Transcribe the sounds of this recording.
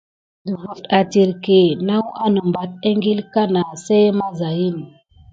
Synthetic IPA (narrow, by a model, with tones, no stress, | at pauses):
du˨vu˨fta˨ti˨ɾke˨na˦wa˦nə˨mba˨t̚e˦ŋɡi˦lka˦na˨se˦ma˦za˨ji˦n˨